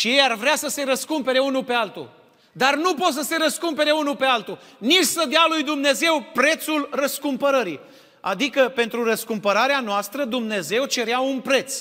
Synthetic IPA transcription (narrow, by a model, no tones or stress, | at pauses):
ʃije̞jarvɾeasəse̞ɾəskumpe̞ɾe̞unupe̞alt̪ṵ | d̪arnupo̞t̪səse̞ɾəskumpe̞ɾe̞unupe̞alt̪unit͡ʃʲsəd̪ealujd̪umne̞ze̞wpɾe̞t̪sulrəskumpəɾəɾḭ | ad̪ikəpe̞nt̪ɾurəskumpəɾaɾeanoast̪ɾəd̪umne̞ze̞wt͡ʃe̞ɾeaunpɾe̞t̪s